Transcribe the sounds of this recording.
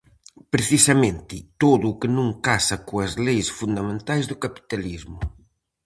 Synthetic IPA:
pɾeθisɐmẽnt̪ɪt̪oðʊːkɪnũŋkasɐkoɐzlejsfund̪amẽnt̪ajzðʊkapi̥t̪alizmʊ

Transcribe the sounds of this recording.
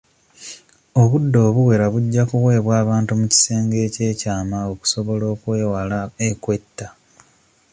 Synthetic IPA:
o̞βudːo̞ːβuwe̞ɾaβuɟːakuɣwe̞ːβwaːβaːntumuci̥se̞ːŋɡe̞ːce̞ːcaːmao̞ku̥so̞βo̞lo̞ːkweːwalaekwe̞tːa

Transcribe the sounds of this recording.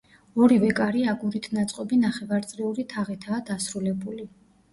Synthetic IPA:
ɔɾivɛkʼaɾiaɡuɾit̪ʰnat̪sʼqʼɔbinaχɛvaɾt̪sʼɾiuɾit̪ʰaʁit̪ʰaːd̪asɾulɛbuli

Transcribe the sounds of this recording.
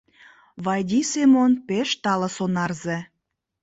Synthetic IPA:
βɑjd̪ʲisemonpeʃt̪ɑlɤ̆sonɑrze

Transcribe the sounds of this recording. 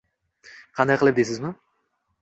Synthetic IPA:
qʰɑnd̪ɑjqəlˠɨp̚d̪esɪzmɪ

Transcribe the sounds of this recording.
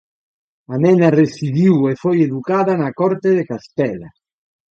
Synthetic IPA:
amɛnaresiðiwefɔjeðukaːðanakɔɾt̪eðekast̪ɛla̰

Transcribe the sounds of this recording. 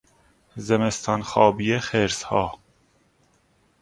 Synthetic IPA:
zɛmest̪ʰɑnxɑːbijexeɾshɑː

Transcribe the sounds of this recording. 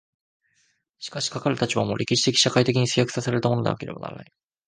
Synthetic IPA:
ɕi̥kaɕi̥kakaɾɯ̟t̪at͡ɕibamo̞ːɾʲʔe̞kʲiɕi̥t̪e̞kʲi̥ɕakait̪e̞kʲiɲ̟isɨjakɯ̟̥saseɾaɾet̪amonod̪ḛa̰ke̞ɾe̞ba̰na̰ɾa̰na̰i

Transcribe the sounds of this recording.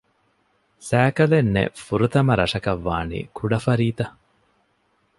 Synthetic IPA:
sæːkɐlenːḛfuɾut̪ɐmɐɾɐʂɐkɐʋːa̰ːnḭːkʰuɖɐfɐɾiːt̪ɐ

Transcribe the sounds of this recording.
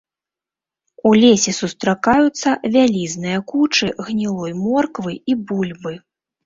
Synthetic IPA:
ulʲesʲɛsust̪ɾakajut̪sːɐvʲalʲiznɨjɐkut͡ʂɨɣnʲilˠɔjmɔrkvɨibulʲbɨ

